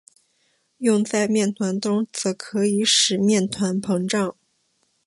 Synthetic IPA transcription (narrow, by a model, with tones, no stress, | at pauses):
jʊ˥˧ŋt͡sa˥˧ɪmjɛ˥˩nt̪ʰwa˧˥nʈ͡ʂʊ˥ŋt͡sɤ˧˥kʰɤ˧˥i˧˥ʂɻ̩˨˩mjɛ˥˩nt̪ʰwa˧˥npʰɤ˧˥ŋʈ͡ʂɑ˥˩ŋ